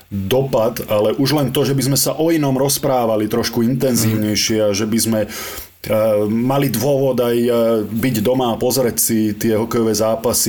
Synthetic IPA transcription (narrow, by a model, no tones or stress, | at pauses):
d̪ɔpad̪alɛʔuʒlɛnt̪ɔʒɛbizmɛsaʔɔinɔmɾɔspɾaːʋalit̪ɾɔʃkuint̪ɛnziːʊɲɛjʃɪɛaʒɛbizmɛ | malid̪ʋʊɔʋɔd̪ajbiɟd̪ɔmaːpɔzɾɛcsit̪ɪɛɦɔkɛjɔʋɛzaːpasi